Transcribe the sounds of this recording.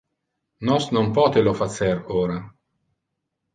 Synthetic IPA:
nɔsnompɔːt̪elofat̪seɾoːɾa

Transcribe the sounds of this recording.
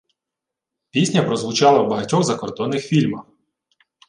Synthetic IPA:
pʲisʲnʲɐpɾɔzʋʊt͡ʃɑlˠɐwbɐɦɐtʲɔɣzɐkɔrd̪ɔnːɪxfʲilʲmɐx

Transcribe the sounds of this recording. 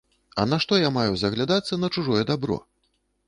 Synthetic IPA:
ɐ̰naʂt̪ɔjamajuzɐɣlʲad̪at̪sːɐnɐt͡ʂuʐɔjɛd̪abɾɔ̰

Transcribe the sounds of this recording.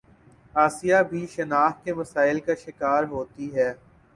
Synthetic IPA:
aːsijabʱiʃɐnaːxkemɐsaːɪlkaʃɪkaːɾɦoːt̪iɦɛː

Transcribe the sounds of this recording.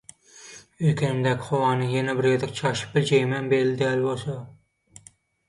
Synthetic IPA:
øjkʲʰinɪmd̪ækʲɪ̥χowɑːnɨjɛnɛbɪɾjed̪ɪk̚ʲt͡ʃʰɑʃɪ̥p̚bɪld͡ʒɛjmænbeɾlɪd̪ɪælbosɑ

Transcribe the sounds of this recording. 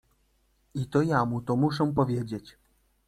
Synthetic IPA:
it̪ɔjamut̪ɔmuʂɛ̃pɔvʲjed͡ʑet͡ɕ

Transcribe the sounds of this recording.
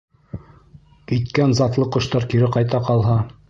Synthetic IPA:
kit̪kænzɑt̪lˠɤqɤ̆ʃt̪ɑɾkiɾɘqɑjt̪ɑqɑlˠɦɑ

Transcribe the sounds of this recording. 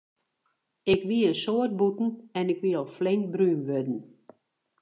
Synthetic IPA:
ɪkʋiəsoət̚butn̩ɛnɪkʋiɔlˠflɪŋkbrynʋødn̩

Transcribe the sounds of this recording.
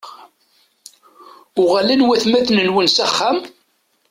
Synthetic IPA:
ʊʁalænwæθmæθnənwənsæχːæm

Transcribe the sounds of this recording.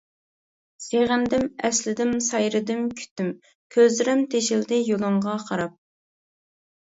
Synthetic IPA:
seʁɪnd̪ɪmɛslɪd̪ɪmsɑjɾɨd̪ɪmkʲʰy̥t̪ːɪm | kʲʰøzɪɾɛmt̪ʰeʃɪld̪ɪjolˠɨɴʁɑqʰɑɾɑp̚

